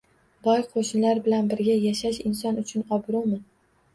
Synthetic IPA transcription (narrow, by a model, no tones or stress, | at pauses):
bɒjqʰoʃnɪlaɾbɪlanbɪɾɡʲajaʃaʃɪnsɒnʊt͡ʃʰʊnɒbɾumɪ